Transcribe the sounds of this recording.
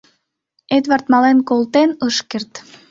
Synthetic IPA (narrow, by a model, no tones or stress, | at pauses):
et̪βɑrt̪mɑlenkolt̪enəʃkert̪